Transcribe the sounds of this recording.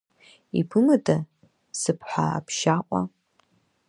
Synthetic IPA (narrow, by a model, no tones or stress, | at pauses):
ipʰɨmɨtʼa | sɨpʰħʷaa̰pʰʃaqʷʼa̰